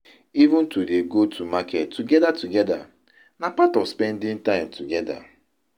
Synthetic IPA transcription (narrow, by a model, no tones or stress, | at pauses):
ivũntudeɡotʰumakʰɛtːuɡɛdatuɡɛda̰ | napatɔvspɛ̃ndɪ̃ŋtãɪ̃mtuɡɛda̰